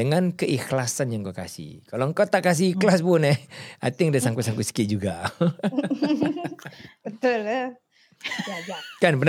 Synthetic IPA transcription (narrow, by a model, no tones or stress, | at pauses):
əŋankəʔixlasanjaŋkoka̰sḭkaloŋkot̪aʔkas̬ikəlaspʊnɛa̰t̪iŋdasaŋkusaŋkusə̥kɪʔ̚d͡ʒuɡa | bət̪ʊl | kanpən